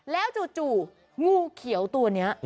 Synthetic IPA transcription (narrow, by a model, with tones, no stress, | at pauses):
lɛː˦˥wt͡ɕuː˨˩t͡ɕuː˨˩ | ŋuː˧kʰi˩˦əwt̪u˧ɐni˦˥ɐʔ